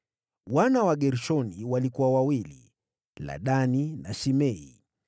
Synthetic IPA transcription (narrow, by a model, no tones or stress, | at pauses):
wanawaɠɛɾʃɔniwalikuwawawilḭ | la̰ɗaninaʃimɛi